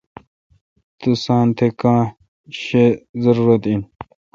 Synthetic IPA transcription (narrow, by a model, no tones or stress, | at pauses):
t̪usãːnt̪ʰekãː | ɕezɐɾuːɾɐt̪in